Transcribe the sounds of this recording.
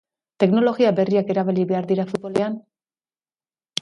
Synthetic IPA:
t̪e̞kno̞lo̞ɣiabe̞riake̞ɾaβeliβeaɾðiɾafut̪̚βo̞lean

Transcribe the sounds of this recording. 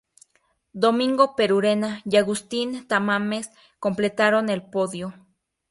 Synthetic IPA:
d̪omĩŋɡopeɾuɾenajaɣust̪int̪amames | komplet̪aɾonelpoðjo

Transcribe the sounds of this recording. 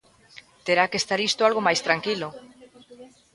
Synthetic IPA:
t̪eɾakest̪aɾist̪oalɣomajst̪ɾaŋkilo

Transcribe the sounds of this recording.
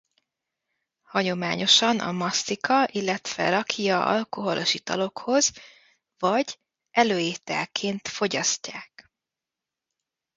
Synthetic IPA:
hɒɲo̞ma̰ːɲo̞ʃɒnʔɒ̰mɒsːikɒʔilːɛt̪ʋɛ̰ɾɒkʰiɒɒ̰lko̞ɦo̞loʃit̪ɒ̰lo̞kho̞z | vɒɟ | ɛløːjeːt̪ɛ̰lkʰeːnt̪fo̞ɟɒscːaːk

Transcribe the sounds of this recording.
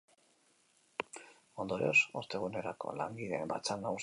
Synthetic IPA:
o̞nd̪o̞ɾeosoɾt̪e̞ɣ̞une̞ɾako̞̰laŋɡiðe̞mba̰t͡sanaus

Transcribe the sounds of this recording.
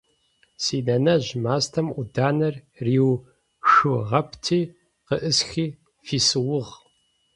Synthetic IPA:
siːnɐnɐʑmaːstʰɐmʔʷʊdaːnɐr | riːw | ʃɨʁɐptʰiː | qəʔɨsxiː | fiːsɨwʊʁ

